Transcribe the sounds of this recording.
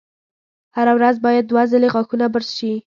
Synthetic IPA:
haɾawɾazbɑjad̪̚ːwazəleɣɑkunabəɾzʃi

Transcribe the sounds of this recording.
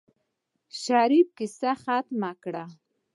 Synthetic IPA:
ʃaɾib̚kɪsaxat̪makɽa

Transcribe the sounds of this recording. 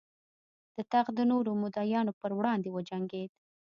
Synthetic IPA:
d̪̥ət̪aɣd̪ənoɾomʊd̪ɑjɑnopəɾwɽɑnd̪ewəd͡ʒaŋɡed̪̚

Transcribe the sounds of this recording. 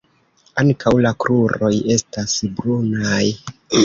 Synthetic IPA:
aŋkʰawlakɾuɾo̞je̞stasbɾunaj

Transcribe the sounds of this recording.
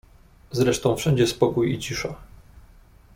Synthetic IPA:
zɾɛʂt̪ɔ̃w̃fʂɛɲd͡ʑɛspɔkujit͡ɕiʂa

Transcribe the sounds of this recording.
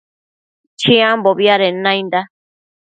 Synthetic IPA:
t͡ʃĩãmboβiaɾenãj̃nd̪a

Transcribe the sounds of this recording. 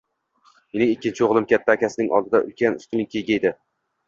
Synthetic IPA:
menɪŋɪkʲːɪnt͡ʃʰɪoʁlˠɪmkʲʰat̪ʰːaːkʲasɪnɪŋʔɒ̰lˠd̪ɪd̪aʔʊ̰lkʲanʊst̪ʊnɪŋkʲʰejɡʲajd̪ɪ

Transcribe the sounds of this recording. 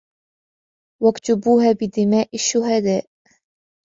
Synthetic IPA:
wakt̪ʊbuːhaːbɪd̪ɪmaːʔaʃːʊɦad̪aːʔ

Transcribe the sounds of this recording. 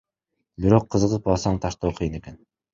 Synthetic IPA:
biɾo̞qʰːɯzɯʁɯpɑlˠsɑɴt̪ʰɑʃt̪oːqʰɯjɯne̞ken

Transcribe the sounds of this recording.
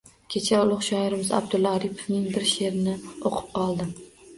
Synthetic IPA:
kʲʰe̞t͡ʃʰaʊlˠʊχʃɒɪɾɪmɪza̰b̚d̪ʊlˠaɾipʰovnɪŋbɪɾʃe̞ɾɪnɪoqʰʊ̥p̚qʰɒlˠd̪ɪm

